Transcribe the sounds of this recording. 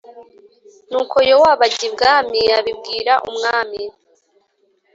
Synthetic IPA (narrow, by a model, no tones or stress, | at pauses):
nuːkʰo̞jowaːβaɟibɡaːmiaβib̚ɡiːɾaʔumŋaːmi